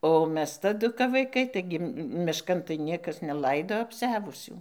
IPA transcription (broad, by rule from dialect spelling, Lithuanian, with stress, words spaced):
oː ˈmʲɛs tɐˈdʊ kɐp ʋɐɪˈkɐɪ ˈtɐɪɡʲɪ mʲɪʃˈkɐn tɐɪ ˈnʲiɛkɐs nʲɛˈlˠɐɪdoː ɐpʲˈsʲæːʋʊsʲuː